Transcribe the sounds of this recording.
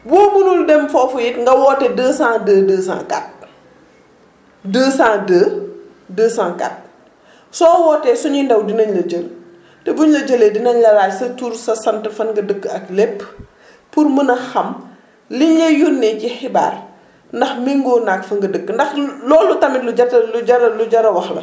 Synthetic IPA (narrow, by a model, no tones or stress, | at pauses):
bɔːmunuldɛmfɔːfujitŋɡɐwɔːtɛdəːsãːdəːdəːsã̰ːka̰t̚ | dəːsãːdəː | dəːsãːŋka̰t̚ | sɔːwɔtɛsuɲindɐwdinɐɲlɐd͡ʒəl | tɛbuɲlɐd͡ʒəledinɐɲlɐlaːsɐtuɾsɐsɐntəfɐnɡɐdəkːəɐklepː | pːurmənɐxɐm | liɲlɐjunːɛcixɪba̰ːr | ndɐxmiŋɡɔnakfɐŋɡɐdəkːəndɐxlɔːlutɐmitluɟɐtluɟɐɾɐluɟɐɾɐwɐxlɐ̰